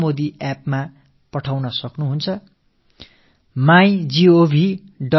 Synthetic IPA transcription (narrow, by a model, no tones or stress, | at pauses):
mod̪iʔapma | pʌʈʰawnʌsʌknuɦunt͡sʰʌ | majd͡ziobʱi | ɖʌ